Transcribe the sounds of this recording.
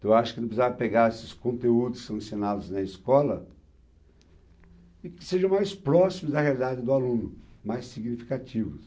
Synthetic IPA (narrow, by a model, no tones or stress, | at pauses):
ɐ̃waʃʊ̥kɪnɐ̃pszavɐpeɡaɾesɪ̥skõnt̪eud̪ʊsɐ̃sionad̪ʊznɐiskɔlɐ | ɪkɪ̥seʒɐ̃w̃majspɾɔsimʊzd̪ɐhealid̪ad͡ʒɪd̪ʊalũnʊmajsːiɡnifi̥kat͡ʃivʊs